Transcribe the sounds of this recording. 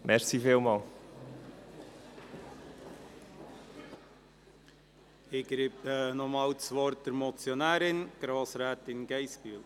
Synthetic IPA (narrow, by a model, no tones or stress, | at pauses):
mɛɾsifeːlmɑːl | ɪɡɾiːpnɔmɑːlt͡sʋɔɾt̚d̥əɾmɔt͡sjɔnæːɾɪnɡ̥ɾoːsɾæːtɪnɡɛɪsb̥yːl